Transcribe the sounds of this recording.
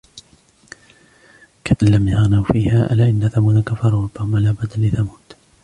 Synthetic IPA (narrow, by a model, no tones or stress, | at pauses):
kaʔalamjɑɣnawfiːhaːʔa̰laʔɪnːaθamuːd̪akafɑɾˤɑɾˤɑbːahʊmalaːbad̪alɪθamuːd̪